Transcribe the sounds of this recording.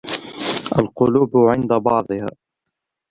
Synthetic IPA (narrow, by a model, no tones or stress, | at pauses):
ʔalqʊluːbʕɪnd̪abɑʕd̪ˤɨha̰ː